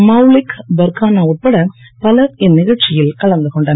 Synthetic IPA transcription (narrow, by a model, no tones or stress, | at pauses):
mɐʊlɪkbɐɾkaːnaːʊʈ̚pɐɽɐ | pɐlɐɾɪnːɪɣɐɭt͡ʃːɪjɪlkɐɭɐŋd̪ɯkɔɳɖɐːn